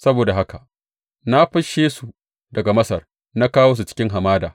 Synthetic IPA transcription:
sɐ˦boː˨da˨ɦa˦ka˨ʔ | na˦ɸɐ˦ʃeː˦su˨ | dɐ˨ɡa˨mɐ˦sɐ˨r | na˦kaː˦woː˦s̬u˨t͡ʃɪ̥˦kʲɪ˦ŋɦa˨maː˦da̰ː˨

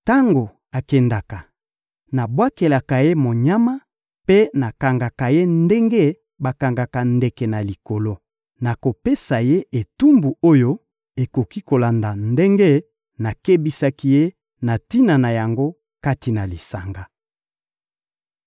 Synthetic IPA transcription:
ta˦ŋɡo˨ | a˨kɛ˨nda˨ka˨ | na˨bwa˦ke˨la˨ka˨je˦mo˨ɲa˦ma˦ | pe˦na˨ka˨ŋɡa˨ka˨je˦nde˦ŋɡe˦ | ba˨ka˨ŋɡa˨ka˨ndɛ˨kɛ˨na˨li˨ko˨lo˦ | na˨ko˨pe˦sa˨je˦e˨tu˦mbu˨o˦jo˦ | e˨ko˨ki˦ko˨la˨nda˨nde˦ŋɡe˦ | na˨ke˦bi˨sa˦ki˦je˦ | na˨ti˦na˨na˨ja˨ŋɡo˦ | ka˦ti˨na˨li˨sa˨ŋɡa˦

